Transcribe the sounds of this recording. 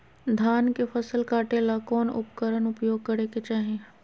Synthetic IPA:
d̪ʱaːnkefʰɐsəlkaːʈelakɔːnʊ̰pkəɾənʊpjoːɡ̚kəɾeket͡ʃaːɦẽ

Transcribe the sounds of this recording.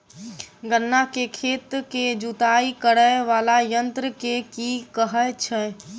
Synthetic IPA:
ɡənːakekʰet̪ked͡ʒut̪aikəɽəeʋalajənt̪ɾəkekikəɦəjt͡ʃʰɛ

